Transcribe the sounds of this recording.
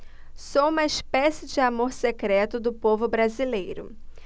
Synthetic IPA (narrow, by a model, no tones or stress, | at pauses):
soũmɐispɛsɪd͡ʒɪamoɾsekɾɛt̪ʊd̪ʊpovʊbɾazilejɾʊ̰